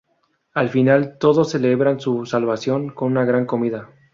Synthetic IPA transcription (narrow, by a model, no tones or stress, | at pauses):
alfinalt̪o̞ðo̞sːe̞leβɾansusalβasjo̞ŋko̞nunaɣɾaŋko̞miða